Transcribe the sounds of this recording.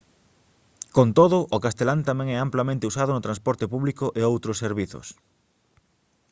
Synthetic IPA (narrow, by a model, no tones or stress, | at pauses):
kont̪oðʊʔːkast̪elant̪amɛ̃ŋɛamplamẽnt̪eusaðʊnʊt̪ɾãnspɔɾt̪epuβlikʊʔeowt̪ɾosːeɾβiθʊ̰s